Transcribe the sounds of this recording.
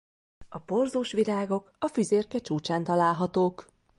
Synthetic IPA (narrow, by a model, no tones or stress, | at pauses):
ɒporzuːʃʋilaːɡo̞kɒfyzeːrkɛt͡ʃuːt͡ʃaːnt̪ɒlaːlɦɒt̪oːk